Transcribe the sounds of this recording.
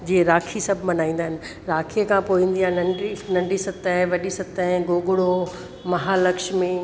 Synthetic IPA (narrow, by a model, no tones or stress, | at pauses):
d͡ʑiːẽɾaːkʰisɐbʱmɐnaːĩːn̆d̪aːɦɪnɪ̆ | ɾaːkʰikʰãpoːĩːn̆d̪iãːnɐ̃ɳɖinɐ̃ɳɖʱisɐt̪əɦɪ̃ʋɐɗisɐt̪əɦɪ̃ɡoːɡʊɽo | mɐɦaːlɐkʃmi